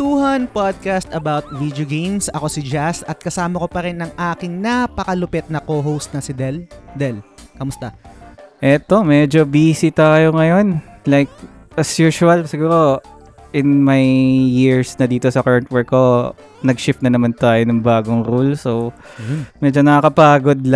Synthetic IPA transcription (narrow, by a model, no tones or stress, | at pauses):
t̪uːhɐnpad̪̚kɐst̪ɐbawt̪̚vid̪joɡejmsɐko̞sɪd͡ʒasɐt̪̚kɐsaːmɐko̞pɐɾɪnːɐŋʔaːkɪŋnapɐkɐlʊpɛt̪̚nɐkoɦowst̪̚nɐsɪd̪ɛld̪ɛlkɐmʊst̪aʔɛt̪o̞mɛd͡ʒobiːsɪt̪aːjoŋɐjo̞nlajk̚ | ʔɐsjuːʃʊɐlsɪɡuːɾo̞ | ʔɪnmajːiɹsnɐd̪iːt̪o̞sɐkɐɹɐnt̪̚wɛɹkːo̞ | nɐɡ̚ʃɪft̪nɐnɐmant̪aːjonɐŋbaːɡoŋɾulso | mɛd͡ʒonɐkakɐpaːɡo̞d̪̚